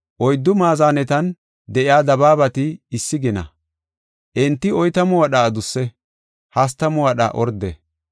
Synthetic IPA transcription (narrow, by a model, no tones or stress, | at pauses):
ʔɔjd̪ːʊmaːzaːnɛt̪ɐn | d̪ɛʔɪaːd̪ɐbaːbɐt̪ɪːsːɪɡɪnɐ̰ | ʔɛnt̪ːɪɔjt̪ɐmʊwɐɗaːd̪ʊsːɛ | hɐs̬t̪ɐmʊwɐɗɐ̰ʔɔɾd̪ɛ